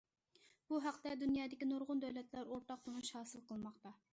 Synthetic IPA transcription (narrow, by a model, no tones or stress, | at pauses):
b̥uɦɑqt̪ɛd̪unjɑːd̪ɪkʲinoɾʁʊnd̪ɛwlɛt̪læɾoɾt̪ɑq̚t̪onuʃhɑːsɨlˠqʰəlˠmɑqt̪ɑ